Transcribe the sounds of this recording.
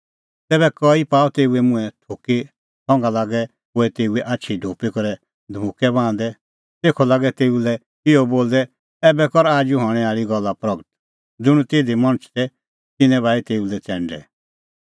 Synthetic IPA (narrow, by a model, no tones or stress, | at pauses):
t̪ɛːbɛkɔipaːɔt̪eːuɛmʊ̃ɛ̃t̪ʰoːki | sʰɔ̃ŋɡalaːɡɛ | oɛt̪eːuɛʔatːʃʰiɖʱoːpikɔɾɛ | d̪ʱmukɛbãːnd̪ɛ | t̪eːkʰɔlaːɡɛt̪eːulɛ | ɪɔboːld̪ɛ | ɛbɛkɔɾaːd͡ʒuɦɔɽ̃ɛ̃aːɭiɡɔlːapɾɐɡət̪ | d͡zʊɽ̃ũt̪eːd̪imɔ̃ɽ̃ət͡ʃʰt̪ɛ | t̪ɪnɛ̃βaːit̪eːulɛt͡sɛ̃ːɳɖɛ̰